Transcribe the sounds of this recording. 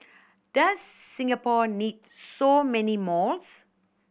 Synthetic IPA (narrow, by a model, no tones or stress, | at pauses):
d̥əsːĩŋəpɔnidsomɛnimɔls